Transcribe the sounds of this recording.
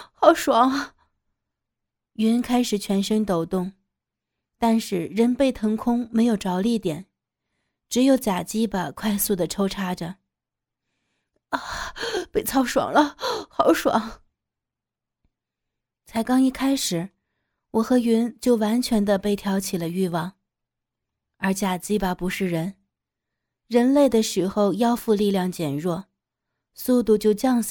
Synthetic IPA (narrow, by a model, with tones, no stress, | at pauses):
xɑ˨˩˥ʊʂwɑ˧˩˦ŋ | ɥy˧˥nkʰa˥ɪʂɻ̩˨˩t͡ɕʰɥɛ˧˥nʂə˥nt̪o˨˩ʊt̪ʊ˥˩ŋ | t̪a˥˧nʂɻ̩˥˩ɻə˧˥npe˥˩ɪt̪ʰɤ˧˥ŋkʰʊ˥ŋme˧˥ɪjo˨˩ʊʈ͡ʂɑ˧˥ʊli˥˩t̪jɛ̰˨˩˦n | ʈ͡ʂɻ̩˧˥jo˨˧˥ʊt͡ɕja˨˩t͡ɕi˥bə˨˩kʰwa˥˧ɪsu˥˩d̪ə˩ʈ͡ʂʰo˥ʊʈ͡ʂʰa˥ʈ͡ʂə˨˧˩ | pe˥˩ɪt͡sʰɑ˥ʊʂwɑ̰˨˩ŋlə˧˦xɑ˧˩ʊʂwɑ̰˨˧˥ŋ | t͡sʰa˧˥ɪkɑ˥ŋi˥˩kʰa˥ɪʂɻ̩˨˩˦ | wɔ˨˩xɤ˧˥ɥy˧˥nt͡ɕjo˥˩ʊwa˧˥nt͡ɕʰɥɛ˧˥nd̪ə˧pe˥˩ɪt̪ʰjɑ˧˥ʊt͡ɕʰi˨˩lə˦y˥˧wɑ˥˩ŋ | ə˞˧˥t͡ɕja˨˩t͡ɕi˥bɐ˨pu˧˥ʂɻ̩˥˩ɻə˧˥n | ɻə˧˥nle˥˩ɪd̪ə˩ʂɻ̩˧˥xo˥˧ʊjɑ˥˧ʊfu˥˧li˥˧ljɑ˥˩ŋt͡ɕjɛ˨˩nɻwɔ˥˩ | su˥˧t̪u˥˧t͡ɕjo˥˧ʊt͡ɕjɑ˥˧ŋs